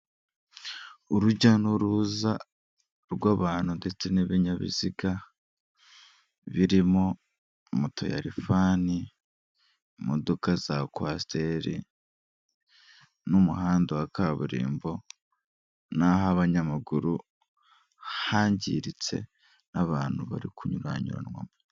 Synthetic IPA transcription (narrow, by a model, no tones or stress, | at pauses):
uɾuɟanuɾuza | ɾɡwaːβaːn̥hude̞t͡se̞neβiɲaβḭziɡa | βiɾimo̞ | motʰo̞̰ja̰ɾifaːni | modo̞kazakwaste̞ɾḭ | numuhaːndawakaβuɾḭːmbo̞ | naɦaβaɲamaɡuɾu | haːɲɟḭɾit͡se̞̰ | naβaːn̥huβa̰ɾikuɲuɾa̰ɲṵɾa̰nwa̰mo